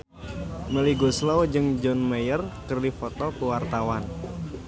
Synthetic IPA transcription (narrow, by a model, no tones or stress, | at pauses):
məliɡuslɔwd͡ʒɨŋd͡ʒɔnməjərkərdifɔt̪ɔkuwart̪awan